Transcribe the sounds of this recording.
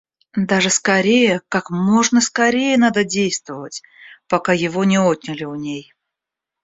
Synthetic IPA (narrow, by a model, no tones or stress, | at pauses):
d̪aʐɨskɐɾʲejəkakmo̞ʐnəskɐɾʲejənad̪ədʲejst̪vəvətʲ | pɐkajɪvonʲɪot̪̚ʲnʲɪlʲɪʊnʲej